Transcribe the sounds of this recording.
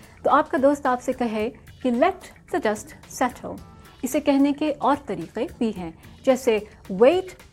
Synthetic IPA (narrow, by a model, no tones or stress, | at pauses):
t̪oːaːp̚kad̪oːst̪aːpsekɐɦekelɛfʈ | d̪ɐɖɐsʈsɛʈʰə̰l | ɪsekɛɦnekeʔɔːɾt̪ɐɾiːqebʱiɦɛ̃ːd͡ʒɛːseʋeːʈ